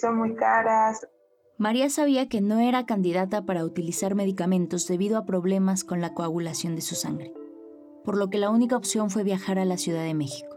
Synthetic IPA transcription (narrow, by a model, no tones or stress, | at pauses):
sonmujkaɾas | maɾiasaβiake̞no̞e̞ɾakand̪iðat̪apaɾaut̪ilisaɾme̞ðikamẽ̞nt̪o̞zðe̞βiðoapɾo̞β̞le̞masko̞nlakoaβulasjo̞nd̪esusa̰ŋɡɾe̞ | po̞ɾlo̞ke̞launikaopsjo̞ɱfwe̞βjaxaɾalasjuð̞aðe̞me̞xi̥ko̥